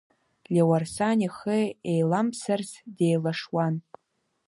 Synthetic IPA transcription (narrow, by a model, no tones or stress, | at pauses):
lʲewarsanʲiχɨejlamsarsdejlaʂwan